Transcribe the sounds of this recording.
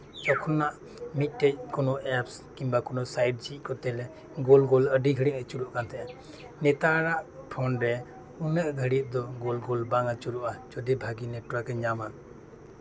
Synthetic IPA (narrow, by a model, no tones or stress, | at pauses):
t͡ʃɔkʰɔnaʔ | mit̪̚ˀʈɛc̚kɔnɔʔɛpskimbakɔnɔsajɖ̚d͡ʒit̚ˀkɔt̪ɛlɛ | ɡɔlɡɔləɖiɡʱəɽiʔət͡ʃuɾuʔkant̪ʰɛʔa | nɛt̪aɾaʔpʰɔnɾɛ | unəʔɡʱəɽit̪̚d̪ɔɡɔlɡɔlbaŋat͡ʃuɾuʔad͡ʒɔdɛbʱaɡinɛʈɔɾakɛɲama